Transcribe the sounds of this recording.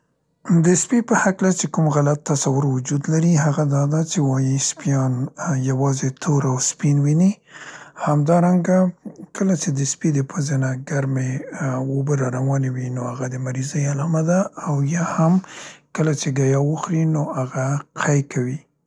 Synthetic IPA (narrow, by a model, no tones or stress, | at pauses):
d̪əspipəhaklat͡ʃekumɣalat̪ːasawʊɾwʊd͡ʒud̪laɾiɦaɣad̪ɑd̪at͡ʃewɑjispjɑnjawɑzet̪ʰoɾawspinwini | hamd̪ɑɾaŋɡakəlat͡ʃed̪əspid̪əpʰəzenaɡaɾmewobəɾɑɾawɑnawinoaɣad̪əmaɾizəjalɑmad̪aːwjɑhamkəlat͡ʃeɡajɑwəxɾinoaɣaqʰajkʰawi